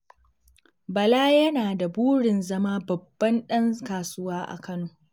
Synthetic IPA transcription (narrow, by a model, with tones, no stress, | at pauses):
bɐ˨laː˦jɐ˦naː˨da˨buː˦ɽɪ˨nzɐ˦maː˦bɐ˨bːɐ˦nɗɐ˦ŋkaː˨sʊ˦waː˦ʔa̰˨kɐ˦noː˨